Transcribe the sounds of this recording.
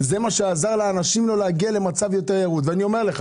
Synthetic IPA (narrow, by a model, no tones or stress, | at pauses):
ze̞maʃeazaʁleːnaʃimlo̞leaɡiale̞mat͡savjo̞teʁjeʁut̪veanio̞me̞ʁle̞χa